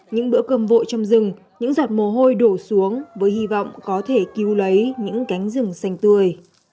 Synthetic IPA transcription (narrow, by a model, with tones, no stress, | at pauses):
ɲɨ̰˧˥ŋɓɨ̰˧˥əkə˧˩mvo̰˧˨jt͡ɕɔ˧wŋ͡mzɨ˨˩ŋ | ɲɨ̰˧˥ŋza˨˩t̚mo˨˩ɦo˧jɗo˧˩su˨˦əŋvəː˨˦jhi˧vɔ̰˧˨wŋ͡mkɔ˨˦t̪ʰe˧˩ki˨˦wlə˨˦jɲɨ̰˧˥ŋka˨˦jŋ̟zɨ˨˩ŋsa˧jŋ̟t̪ɨ˧˩əj